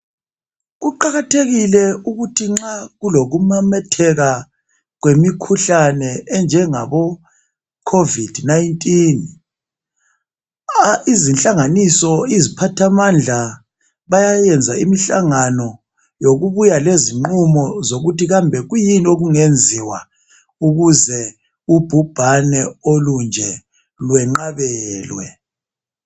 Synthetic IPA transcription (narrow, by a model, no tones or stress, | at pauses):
ɣuǃaɣatʰeɣilɛuɣutʰiŋ͡ǁaɣuloɣumamɛtʰɛɣa | ɣwemikʰuɬanɛɛnd͡ʒʱɛŋa̰βɔ | kʰovid̥najntʼin | izinɬʼaŋanisɔizipʰatʰamand͡ɮʱa | βajajɛnd͡zʱaḭmiɬa̰ŋanɔ | joɣuβujaleziŋ͡ǃumɔzoɣutiɣambʱɛɣujinioɣuŋend͡zʱiwa | uɣuzɛ | ub̥ʱub̥ʱanɛolund͡ʒʱɛ | lwɛŋ͡ǃaβɛːlwɛ